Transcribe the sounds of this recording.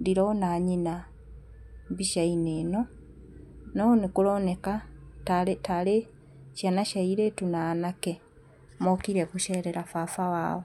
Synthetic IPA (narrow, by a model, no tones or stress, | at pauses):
diɾonaːɲina | βiʃaineːno | nonekulonekataletale | ʃanaʃaiɾetunaːnake | mokiɾekuʃeɾeɾafafawa̰ːwo